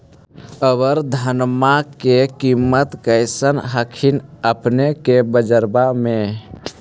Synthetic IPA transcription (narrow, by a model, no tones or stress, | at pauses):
əbəɾd̪ʱənmakekimːət̪kəɪsənɦəkʰinəpnekebəd͡ʒəɾbame